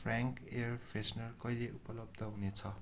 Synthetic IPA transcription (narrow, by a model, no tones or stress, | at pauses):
pʰraŋkerpʰesnʌrkʌileʔupʌlʌb̚d̪ʱʌɦunet͡sʰʌ